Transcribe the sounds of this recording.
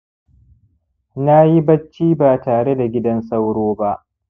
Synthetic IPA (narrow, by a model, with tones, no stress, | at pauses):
na˦ji˦bɐ˦t͡ʃːiː˦baː˨taː˨ɽe˦da˨ɡʲɪ˦dɐ˦nsa˦wɽoː˦ba˦ʔ